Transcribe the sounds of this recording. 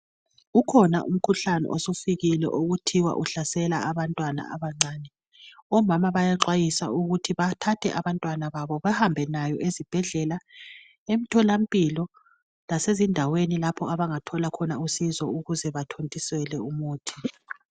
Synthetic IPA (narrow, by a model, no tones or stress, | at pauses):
ukʰɔna̰ʔṵm̩kʰuɬanɛ̰ʔosufiɣilɛ̰ʔoɣutʰiwa̰ʔuɬasɛlaaβantʼwana̰a̰βaŋ͡ǀaːnɛ | ɔmamaβajaǁwajisa̰uɣutʰiβatʰatʰɛ̰ʔaβantʼwanaβaβɔβɛhambʱɛnajɔ̰ʔezib̥ʱɛɮɛla | emitʰɔlampʼilɔ | lasezindʱawenilapʰɔaβaŋatʰɔlakʰɔnausizɔuɣuzɛβatʰontʼisɛlɛumuːtʰi̥